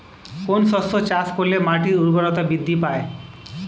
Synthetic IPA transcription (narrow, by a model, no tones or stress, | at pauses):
konsɔsot͡ʃaskolemaʈiɾuɾbɔɾɔt̪abid̪ʱːipae